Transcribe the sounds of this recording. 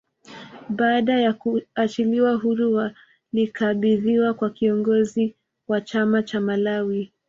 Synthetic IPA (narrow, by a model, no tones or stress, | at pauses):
ɓaːɗajakuat͡ʃiliwaɦuɾua | likʰaɓiðiwakwakiɔŋɡɔzi | wat͡ʃamat͡ʃamalawi